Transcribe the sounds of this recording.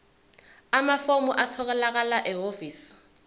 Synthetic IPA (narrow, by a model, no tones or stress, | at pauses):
amafomʊʔat͡sʰɔkɛlak̬ʼalaʔɛofiːs